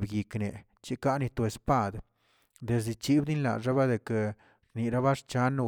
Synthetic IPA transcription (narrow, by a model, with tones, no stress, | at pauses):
bɡi˨kne˨ | t͡ʃi˦ka˦ni˧t̪o˧˨e˨spa˦d̪ | d̪e˨s̬i˨t͡ʃi˦bd̪i˦nla̰˨ʐa˦ba˦d̪e˨ke˨ | ɾni˨ɾa˦ba˦ʂt͡ʃa˦n˦